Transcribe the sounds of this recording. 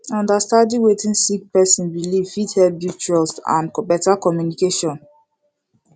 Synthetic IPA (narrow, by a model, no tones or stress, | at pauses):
ɔ̃ndastãdĩwetĩnsik̚pɛsĩnɹilifithɛbjut͡ʃuɔlsã̰nkɔpɛtakɔmjunikeʃɔ̃n